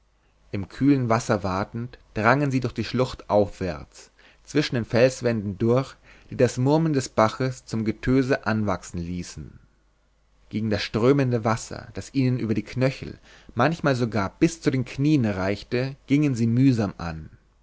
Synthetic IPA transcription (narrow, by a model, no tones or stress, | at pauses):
ʔɪmkʰyːlənvasɐvaɐtn̩td̥ʁaŋənziːdʊɐçd̥iːʃlʊχtʔaʊfv̥ɛ̰ɐt͡s | t͡sv̥ɪʃn̩deːnfɛlsv̥ɛndn̩dʊɐç | d̥iːdasmʊɐməl̩ndɛsb̥aχəst͡sʊmɡətʰøːzəʔanvaksn̩liːsn̩ | ɡ̥eːɡŋ̩dasʃtʁ̥øːməndəvasɐ̰d̥asʔiːnənʔy̰ːbɐdiːkʰnœçl̩ | mançmaːlzoɡaːɐb̥ɪst͡sudeːnkʰniːənʁaɪçtəɡ̥ɪŋənziːmyːzaːmʔa̰n